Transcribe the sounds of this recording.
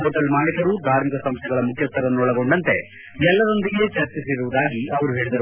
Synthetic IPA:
ɦoːʈɐlmaːnjɐkɐɾud̪ʱaːɾmikɐsɐmst̪ʰɛɡɐɭɐmukʰjɐst̪ɐɾɐnːuɔɭɐɡo̞ɳɖɐnt̪e̞ | ɛlːɐɾo̞nd̪iɡe̞t͡ʃɐɾt͡ʃisiɾuʋud̪aːɡiʔɐʋɐɾuɦe̞ːɭid̪ɐɾu

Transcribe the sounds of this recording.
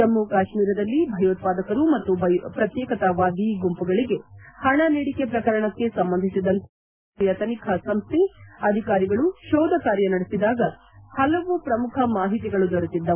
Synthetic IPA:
ɐmːukaːʃmiːɾɐd̪ɐlːibʱɐjoːt̪̚paːd̪ɐkɐɾumɐt̪ːupɾɐt̪jɛːkɐt̪ɐʋaːd̪iɡumpuɡɐɭiɡe̞hɐɳɐneːɽikepɾɐkɐɾɐɳɐkːe̞sɐmbɐnd̪ʱisid̪ɐnt̪ʰ | jɐt̪ɐnikʰɐsɐmst̪ʰiɐd̪ʱikaːɾiɡɐɭuʃɔːd̪ʱɐkaːɾjɐnɐɽesid̪aːɡɐ | hɐlɐʋupɾɐmukʰɐmaːɦit̪iɡɐɭud̪ɔɽut̪id̪ːɐ

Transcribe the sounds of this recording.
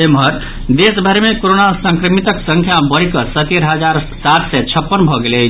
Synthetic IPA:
emɦəɾ | d̪esbʱəɾmekoɾonasə̃ŋkɾəmit̪əksəŋkʰjabəɾikəsət̪eɾɦəd͡ʒaɾ | saɾʰsɛt͡ʃʰəpːənbʱɔɡele

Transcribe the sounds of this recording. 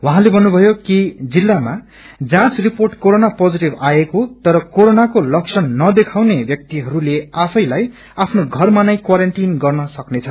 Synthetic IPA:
wʌɦãlebʱʌnːubʱʌjokid͡zilːama | d͡zãt͡sriporʈkoɾonapod͡ziʈibaekot̪ʌɾʌkoɾonakolʌksʰʌnːʌd̪ekʰawnebjʌk̚t̪iɦʌɾuleapʰʌjlaj | apʰnoɡʱʌrmanajkwaɾʌnʈinɡʌrnʌsʌknet͡sʰʌ

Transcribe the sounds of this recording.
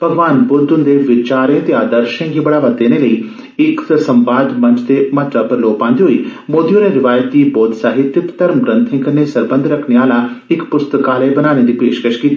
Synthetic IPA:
pəɡʋaːnbʊɾd̪ʊ̃nd̪eʋɪt͡ʃaːɾẽːt̪eaːd̪əɾʃə̃nɡiːbəɽaːʋat̪̚d̪eːneləiː | ɪksə̃mʋaːd̪mɐ̃ɲt͡ʃd̪emaːt̪apəɾloːpãːnd̪iːɦoiːmoːd̪iõnẽɾɪʋaːjət̪̚d̪iːboːd̪saːɦɪt̪ːjɪpt̪əɾmɡɾə̃nt̪ʰɪ̃ŋkənesəɾbə̃nd̪ʱɾəkʰneaːlaɪkpʊst̪əkaːlebənaːñed̪iːpeːʃkəʃkiːt̪ːi

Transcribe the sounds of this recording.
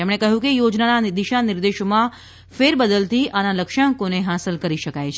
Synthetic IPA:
t̪emɽ̃ekəɦjũkejod͡ʒnanad̪iʃanɪɾd̪eʃomã | feɾbəd̪əlt̪iʔanaləkʃãŋkoneɦasəlkəɾiʃəkajt͡ʃʰ

